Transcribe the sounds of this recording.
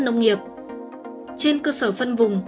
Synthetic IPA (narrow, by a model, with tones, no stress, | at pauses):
nə˧wŋ͡mŋi˨˩əp̚ | t͡ɕe˧nkəː˧səː˧˩fə˧nvʊ˨˩ŋ͡m